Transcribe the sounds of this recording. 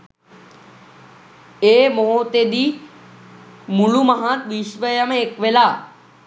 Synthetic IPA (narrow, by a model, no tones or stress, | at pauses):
eːmoɦot̪ed̪i | muɭumɐɦãt̪ʋiʃʋəjəməekʋelaː